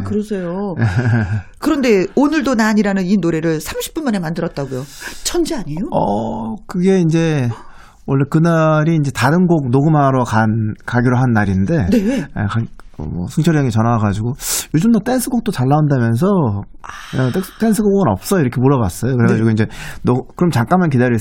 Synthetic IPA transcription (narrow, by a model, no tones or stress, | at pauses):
kɯɾʌsʰe̞joekɯɾʌnde̞onɯɭdonaɲiɾanɯninoɾe̞ɾɯɭsʰamɕʰi̥p͈unmane̞mandɯɾʌt̚t͈aɡojot͡ɕʰʌnd͡ʑiaɲejoʌkɯɡe̞ind͡ʑe̞ | wʌɭːekɯnaɾiːnd͡ʑe̞taɾɯnɡok̚noɡɯmɦaɾokankaɡiɾoɦanːaɾinnde̞nḛkaʌ̰mʌ̰sʰɯŋt͡ɕʰʌɾjʌŋit͡ɕʌnaaɡad͡ʑiɡojod͡ʑumdat͈e̞nsʰɯɡok̚t͈ot͡ɕaɭːaundamjʌns̬ʰʌ | tt͈ensʰɯɡoɡɡɯnʌp̚s͈ʌiɾʌkʰe̞moɾʌba̰s͈ʌjokɯɾe̞ɡad͡ʑiɡoiɲd͡ʑe̞nokɯɾʌmt͡ɕaŋk͈anmank̬idaɾjie